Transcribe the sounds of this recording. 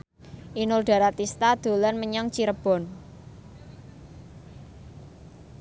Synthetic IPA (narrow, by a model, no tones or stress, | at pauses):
ʔinʊlɖ̥a̤ɾat̪ist̪ad̪̥o̤lanməɲaŋt͡ʃiɾəb̥ɔ̤n